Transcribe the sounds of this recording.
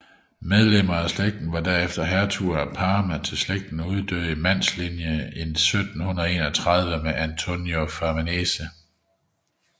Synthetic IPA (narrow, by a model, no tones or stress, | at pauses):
með̞ˠlem̰ɐæsleɡ̥̚d̥n̩ʋɑ̈d̥æɐefd̥ɐɦæɐt͡sʰuɐpʰɑ̈ːmæt͡sʰe̝lsleɡ̥̚d̥n̩uð̞ˠd̥ø̰ːimæn̰slinjəensød̥n̩hunð̩ˠe̝̰ːnɒ̽t͡sʰʁɑð̞ˠʋəmeʔænt͡sʰo̝njofæɐmænesə